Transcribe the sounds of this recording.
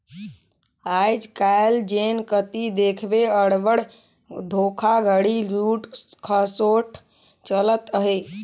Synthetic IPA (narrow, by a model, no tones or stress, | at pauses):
ajd͡ʒkaeld͡ʒenkət̪id̪ekʰbeəɽʋəɽ | d̪ʱokʰaɡʱəɽiɾuʈkʰəsoʈʰ | t͡ʃələt̪əɦe